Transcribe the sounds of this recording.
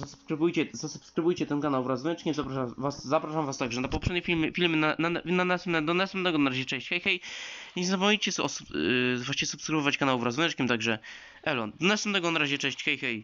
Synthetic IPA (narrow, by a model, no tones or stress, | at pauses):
zasu̥pskɾɨbujt͡ɕɛzasupskɾɨbujt͡ɕɛt̪ɛnkanawvɾazunɛt͡ʂkʲimzapɾaʂavaszapɾaʂamvast̪aɡʐɛnapɔpʂɛd̪ɲɛfʲilmfʲilmɘnanananasɛmnɛd̪ɔnasɛmd̪ɛɡɔnaɾaʑɛt͡ʂɛ̃ɕt͡ɕxɛjxɛjɲɛzapɔmɲit͡ɕɛsɔsuvaʂt͡ɕɛsupskɾɨvɔvat͡ɕkanawvɾazunɛt͡ʂkʲimt̪aɡʐɛ | ʔɛlɔnd̪ɔnasɛmnd̪ɛɡɔnaɾaʑɛt͡ʂɛ̃ɕt͡ɕxɛjxɛj